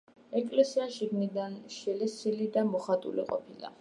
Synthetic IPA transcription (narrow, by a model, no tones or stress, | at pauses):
ɛkʼlɛsiaʃiɡnid̪anʃɛlɛsilid̪amɔχat̪ʼṵlḭqʼɔ̰pʰila̰